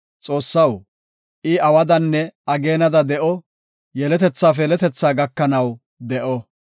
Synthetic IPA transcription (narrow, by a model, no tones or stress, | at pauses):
t͡sʼo̞ːsːɐw | ʔɪɐwɐd̪ɐnːɛɐɡe̞ːnɐd̪ɐd̪ɛʔɔ | jɛlɛt̪ɛt͡sːaːf̬ɛlɛt̪ɛt͡sːaːɡɐkːɐnɐw | d̪ɛʔɔ